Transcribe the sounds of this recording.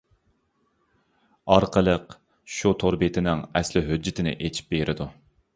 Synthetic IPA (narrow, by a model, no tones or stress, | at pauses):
ɑɾqʰəlˠəq | ʃut̪ʰoɾbet̪ʰɪnɪŋɛslɪɦød͡ʒːɪt̪ʰɪnɪ̰ʔet͡ʃʰi̥p̚beɾʔɪd̪u